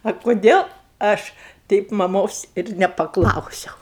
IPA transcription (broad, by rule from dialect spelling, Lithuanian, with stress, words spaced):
ɐ kʊˈdʲeːlˠ ˈɐʃ ˈtʲɛɪp mɐˈmoːs ɪr nʲɛpɐˈklˠɐʊsʲɛʊ